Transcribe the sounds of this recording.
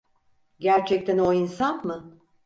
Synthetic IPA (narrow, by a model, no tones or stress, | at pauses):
ɟæɾt͡ʃʰɛc̚t̪ʰæno̞insanmɯ